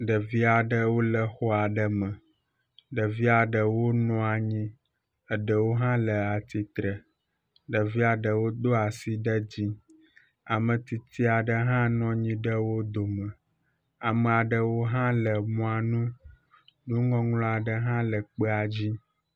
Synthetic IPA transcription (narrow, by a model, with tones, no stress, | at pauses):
ɖə˨vi˦a˨ɖə˦wo˦lə˨xɔ˦a˨ɖə˦mə̃˨ | ɖə˨vi˦a˨ɖə˨wo˦nɔ̃˦a˨ɲĩ˦ | ə˨ɖə˨wo˦ɦã˦lə˨a˨t̪i˨t̪ɾə˨ | ɖə˨vi˦a˨ɖə˨wo˦d̪o˦a˨si˦ɖə˦d͡ʑi˦ | a˨mə̃˨t̪i˨t̪ʰi˦a˨ɖə˦ɦã˦nɔ̃˦ɲĩ˦ɖə˦wo˦d̪o˨mə̃˨ | a˨mə̃˨a˨ɖə˦wo˦ɦã˦lə˨mɔ̃˦a˨nũ˦ | nũ˦ŋɡɔ̃˦ŋlɔ̃˦a˨ɖə˨ɦã˦lə˨k͡pə˦a˨d͡ʑi˦